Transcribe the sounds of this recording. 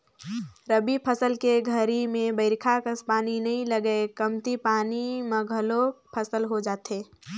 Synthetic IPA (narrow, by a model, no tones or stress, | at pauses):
ɾəbipʰəsəlkeɡʱəɾimẽbəɪɾkʰakəspaːninɐɦĩləɡəekəmt̪ipaːniməɡʱəlopʰəsəlɦod͡ʒaːt̪ɦeː